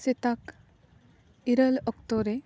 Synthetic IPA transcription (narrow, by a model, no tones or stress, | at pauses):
sit̪ak | iɾəlɔkt̪oɾe